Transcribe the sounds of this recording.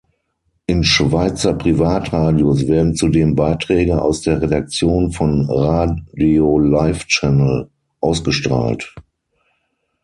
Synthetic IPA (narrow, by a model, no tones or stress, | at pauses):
ʔɪnʃv̥aɪt͡sɐpʁ̥ivaːtʁaːdiosv̥eːɐdn̩t͡sudeːmbaɪtʁ̥ɛːɡəʔa̰ʊsd̥eːɐʁedak̚t͡sjoːnfɔnʁaːdiolaɪft͡ʃɛnəl̩ | ʔaʊsɡ̥əʃtʁ̥a̰ːlt